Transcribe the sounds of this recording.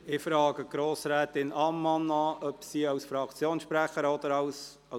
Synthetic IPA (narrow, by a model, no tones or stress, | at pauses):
ɪfɾɑːɡəɡ̥ɾoːsɾɛːt̪ɪnɑmːɑnɑʔœpsiːɑwsfɾɑkt͡sjoːnsʃpɾæχəɾɔd̪əɾɑws | ɑ